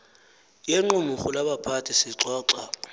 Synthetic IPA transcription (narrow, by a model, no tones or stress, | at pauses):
jeŋ͡ǃʊmʊχʊlabapʰatʰisɪǁɔːǁa